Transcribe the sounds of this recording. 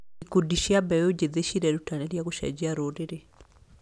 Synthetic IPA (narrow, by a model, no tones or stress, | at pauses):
ikudiʃiabɛwod͡ʒeðeʃiɾɛɾutanɛɾjaɣoʃa̰d͡ʒiaɾoɾeɾe